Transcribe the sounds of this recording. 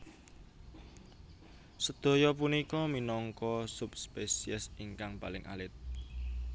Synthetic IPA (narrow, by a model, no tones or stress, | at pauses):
səd̪̥o̤jɔp̬unikɔminɔŋkɔsupspesiəsiŋkaŋpalɪŋʔa̰lɪt̪̚